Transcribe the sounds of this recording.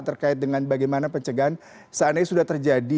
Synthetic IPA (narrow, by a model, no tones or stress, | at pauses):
t̪ərkaɪt̪̚dəŋanbaɡajmanapəɲt͡ʃəɡaɦan | sanasudaht̪ərd͡ʒadi